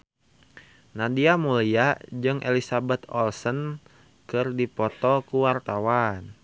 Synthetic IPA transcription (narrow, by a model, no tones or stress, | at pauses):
nadiamuliad͡ʒɨŋʔḛlisabɛt̪ɔlsən | kɨrdipɔt̪ɔkuwart̪awan